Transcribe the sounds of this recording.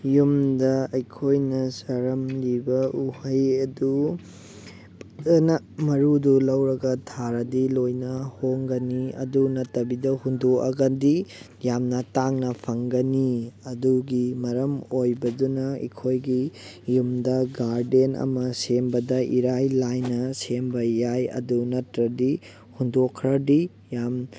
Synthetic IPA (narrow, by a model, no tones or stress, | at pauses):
jumdɐɐjkʰojnɐsɐɾɐmlibɐʔuhɐjɐdu | nɐ | mɐɾudulɐwɾɐɡɐtʰaɾɐdilojnɐhoŋɡɐniɐ̰dunɐtːɐbidɐhundoʔɐɡɐdi | jamnɐtaŋnɐpʰɐŋɡɐniɐduɡimɐɾɐmojbɐdunɐḭkʰojɡi | jumdɐɡaɾdenɐ̰mɐsembɐdɐʔiɾajlajnɐsembɐjajɐ̰dunɐtɾɐdi | hundokʰːɾɐdi | jam